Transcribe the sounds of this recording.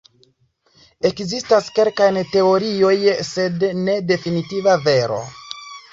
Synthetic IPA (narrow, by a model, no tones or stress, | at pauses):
e̞kzistaske̞lkajnte̞o̞ɾio̞jse̞dne̞de̞finitivave̞ɾo̞̰